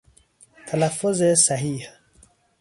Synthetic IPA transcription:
t̪ʰalafːʊzesaɦiːh

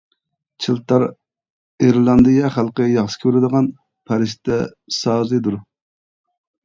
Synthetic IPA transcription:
t͡ʃʰilˠt̪ʰɑɾ | iɾlˠɑnd̪ɨjɛχælˠqəjɑχsɨ̥kʲʰøɾɪd̪əʁɑn | pʰæɾɪʃt̪ʰɛ | sɑːzɨd̪uɾ

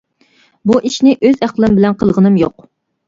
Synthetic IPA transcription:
buʔiʃnɪʔøzæqlˠɨmbɪlɛnqʰəlˠʁənɨmjoq

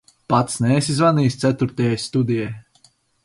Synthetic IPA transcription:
pat̪snɛːsʲizvaniːst̪sʲæt̪uɾt̪ɛjajst̪ud̪ijɛj

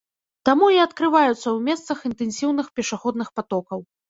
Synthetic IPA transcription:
t̪amuiɐt̪kɾɨvajut̪sɐwmʲɛst̪sɐxint̪ɛnʲsʲiwnɨxpʲɛʂaxɔd̪nɨxpat̪ɔkɐw

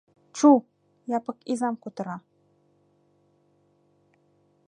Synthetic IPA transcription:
t͡ʃʰu | japəkizamkut̪əɾa

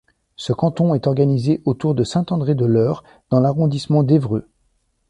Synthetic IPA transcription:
səkɑ̃t̪ɔ̃ɛt̪ɔʁɡanizeʔot̪uʁd̪əsɛ̃t̪ɑ̃d̪ʁed̪əlœːʁ | d̪̥ɑ̃laʁɔ̃d̪ismɑ̃d̪evʁø

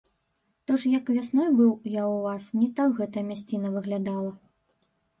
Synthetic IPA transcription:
t̪ɔʂjɐkvʲasnɔjbɨwjawvasnʲɛt̪awɣɛt̪ɐjɐmʲasʲt͡sʲinɐvɨɣlʲad̪alˠɐ

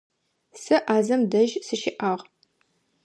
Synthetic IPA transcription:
sɨʔaːzɐmdɐʒsɨʃɪʔaːʁ

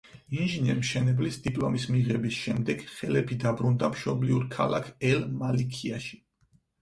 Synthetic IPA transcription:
inʒinɛɾmʃɛnɛblisd̪ipʼlˠɔmismiʁɛbisʃɛmd̪ɛɡ̥χɛlɛpʰid̪abɾund̪amʃɔbliuɾkʰa̰la̰kʰɛlmalikʰiaʃi̥

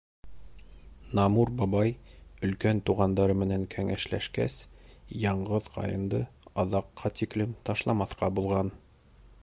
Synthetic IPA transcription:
nɑmuɾbɑbɑjɵ̆lkænt̪uʁɑnd̪ɑɾɤmɘ̆næŋkʰæŋæʃlæ̰ʃkæsjɑɴɢɤðqʰɑ̰jɤ̆nd̪ɤɑðɑqːɑt̪iklɘmt̪ɑʃlˠɑmɑθqɑbulˠʁɑn

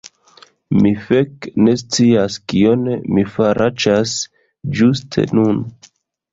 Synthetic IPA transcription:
mifekne̞st͡siaskionemifaɾʔat͡ʃas | d͡ʒustʰe̞̰nun

